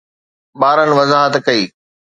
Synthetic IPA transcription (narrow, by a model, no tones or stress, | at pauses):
ɓaːɾənɪ̆ʋɐzaːɦət̪kɐiː